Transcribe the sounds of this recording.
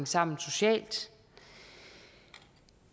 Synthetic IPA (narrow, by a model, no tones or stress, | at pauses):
ŋsɑ̈m̰n̩so̝ɕɛ̰ːld̥